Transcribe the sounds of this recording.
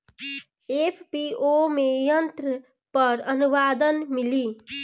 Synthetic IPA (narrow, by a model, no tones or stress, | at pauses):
epʰpiomejənt̪ɾə | pəɾənuʋaːd̪ənmiliː